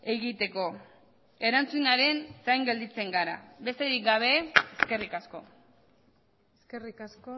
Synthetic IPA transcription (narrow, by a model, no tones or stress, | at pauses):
eɣit̪e̞ko̞ | e̞ɾant͡sunaɾe̞nsajŋɡe̞ld̪it͡se̞ŋɡaɾa̰βe̞st̪e̞ɾik̚ɡaβ̞e̞eske̞rikasko̞ | eskerikasko